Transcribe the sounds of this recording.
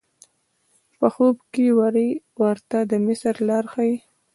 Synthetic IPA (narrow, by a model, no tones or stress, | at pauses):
pəxobkewaɾi | waɾt̪ad̪əmɪsɾlɑɾxaj